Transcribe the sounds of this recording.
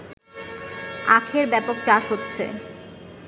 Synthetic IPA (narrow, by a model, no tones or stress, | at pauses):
a̰kʰeɾbɛpok̚t͡ɕaʃɦotːɕʰḛ